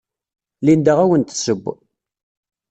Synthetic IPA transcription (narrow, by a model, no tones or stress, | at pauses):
lind̪əʁæwənt̪ə̥səbː